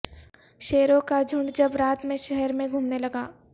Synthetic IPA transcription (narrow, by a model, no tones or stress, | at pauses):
ʃeːɾõkad͡ʒʱʊ̃ɳɖd͡ʒɐbɾaːt̪mẽʃɛɦɛɾmẽɡʱuːmnelɐɡaː